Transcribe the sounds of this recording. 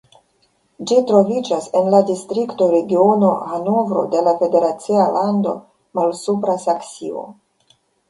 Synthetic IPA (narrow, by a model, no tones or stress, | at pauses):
d͡ʒitɾo̞vid͡ʒase̞nladistɾikto̞ɾe̞ɡio̞no̞hanuvɾo̞̰de̞lafe̞de̞ɾat͡sialʔando̞̰ | malsupɾasaksio̞̰